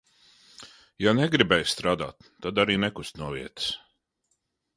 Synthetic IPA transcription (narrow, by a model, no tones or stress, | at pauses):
janɛɡɾibɛjst̪ɾaːd̪a̰ːt̪ːad̪aɾiːnɛkust̪nuɔvḭɛt̪s